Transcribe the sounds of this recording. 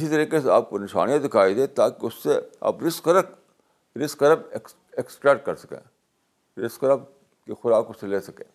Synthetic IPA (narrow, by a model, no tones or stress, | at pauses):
ɪsit̪ɐɾiːkeseaːp̚konɪʃa̰ːnijad̪ɪkʰaːid̪eːt̪aːkiʊsːea̰ːpɾɪskəɾək | ɾɪskɐɾəbeks | eksʈɾɛk̚ʈ̚kɐɾsɐ̥kḛ̃ː | ɾɪskɐɾəb̚ | kexʊɾaːkʊsːeleːsɐkḛ̃ː